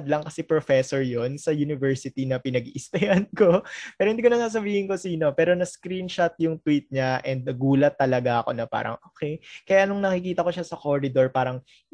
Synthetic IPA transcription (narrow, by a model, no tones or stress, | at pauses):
d̪lɐŋkɐsɛpɾofɛsoɹjo̞nsɐjunɪvɛɹsɪt̪inɐpɪnɐɡʔɪst̪ɐjanko̞pɛɾohɪnd̪ikonɐsaːs̬ɐbiːhɪnko̞siːno̞pɛːɾo̞nɐskɾinʃɐt̪̚jʊŋt̪wit̪̚ɲaʔɛnd̪̚nɐɡuːlɐt̪ːɐlɐɡaʔɐko̞nɐpa̰ːɾɐ̰ŋʔoːkɛjkɐjaʔɐno̞ŋnɐkɪkiːt̪ɐko̞ʃasɐko̞ɾɪd̪o̞ɹpaːɾɐŋ